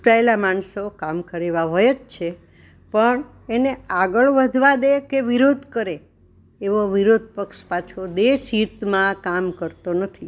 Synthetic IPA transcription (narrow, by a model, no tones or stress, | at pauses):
ʈɾaelamansokamkəɾeʋaɦojet͡ʃt͡ʃʰe | pəɳ | eneaɡəɭʋəd̪ʱʋad̪ekeʋiɾod̪ʱkəɾe | eʋoʋiɾod̪̚ʱpəkʃpat͡ʃʰod̪eʃɦit̪mãkamkəɾt̪onət̪ʰi